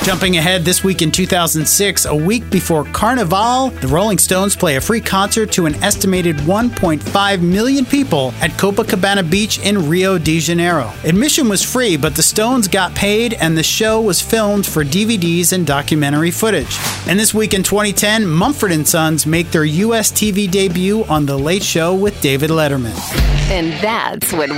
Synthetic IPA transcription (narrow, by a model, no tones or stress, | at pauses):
d̥ʒ̥ʌ̃mpɪ̃ŋɨɦɛd̪̚ðɪswikɨ̃ntʰʉθaʊz̃n̩dsɪksə̰wik̚b̥ɨfɔɹkʰɑɹnɨvɑlˠðɨɹoʊlˠɪ̃ŋstõʊ̃nz̥pʰl̥eɪɨfɹikʰɑ̃nsə˞tʰɨɨ̃nɛstɨmeɪɾɨd̚wʌ̃npʰɔ̃ɪ̃ntfaɪvmɪlˠjɨ̃npʰipl̩ˠɨt̚kʰoʊpəkʰəbæɾ̃ɨbit͡ʃɪ̃nɹioʊdiʒɨ̃nɛɹoʊɨd̚mɪʃɨ̃nwʌz̥fɹibʌt̪̚ðɨstõʊ̃nzɡɑt̚pʰeɪɾɨ̃nðɨʃoʊwʌz̥fɪlˠmd̥fə˞dividizɨ̃ndɑkjɨmɛ̃ɾ̃ə˞ifʊɾɪ̥d͡ʒɨ̃nðɪswikɨ̃ntʰw̥ɛ̃ɾ̃itʰɛ̃nmʌ̃ɱfə˞ɾɨ̃nsʌ̃nzmeɪk̚ðə˞jʉɛstʰivideɪbjʉʔə̃nðəleɪtʃoʊwɪðdeɪvɨdˡlɛɾə˞mɨ̰̃nɨ̃nðæ̰tswʌt̚